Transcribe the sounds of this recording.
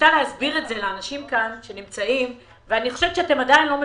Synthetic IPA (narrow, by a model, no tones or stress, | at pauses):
taleɦazbiʁetze̞leanaʃimkanʃe̞nimt͡saim | veaniχo̞ʃev̥t͡ʃeate̞madainlo̞me